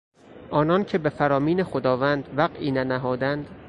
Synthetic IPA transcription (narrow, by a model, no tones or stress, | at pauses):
ʔɒːnɒːncʰe̞be̞fæɾɒːmiːnexod̪ɒːvænd̪væɢʔiːnænæɦɒːd̪ænd̪